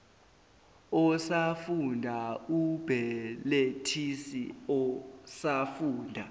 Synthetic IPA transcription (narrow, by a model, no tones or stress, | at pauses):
ɔsafundʱaub̥ʱɛletʰisḭɔsafuːndʱa